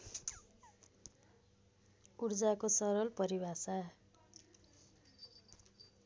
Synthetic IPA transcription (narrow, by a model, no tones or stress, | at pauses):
urd͡zakosʌɾʌlpʌɾibʱasa